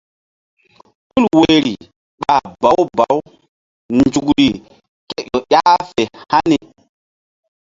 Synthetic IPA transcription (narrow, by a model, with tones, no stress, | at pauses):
ɓu˦lwe˨ɾi˨ | ɓa˨ba˨˦wba˨˦w | nd͡ʒu˨kɾi˨ | ke˦jo˨ɗʲa˦fe˨ha˦ni˨